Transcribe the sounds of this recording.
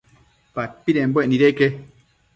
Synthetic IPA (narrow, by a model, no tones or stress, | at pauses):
papiɾẽmboenĩɾeke